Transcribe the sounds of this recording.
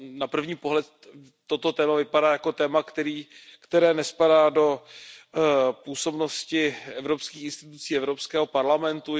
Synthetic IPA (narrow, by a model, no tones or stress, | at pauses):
napr̩vɲiːpo̞ɦlɛt̪ | t̪ːo̞t̪o̞t̪ɛːmavɪpadaːjako̞t̪ɛːmakt̪ɛɾiːkt̪ɛɾɛːnɛspadaːdo̞ | puːso̞bno̞scɪɛvɾo̞pskiːxɪnst̪ɪt̪ut͡siːɛvɾo̞pskɛːɦo̞paɾlamɛnt̪u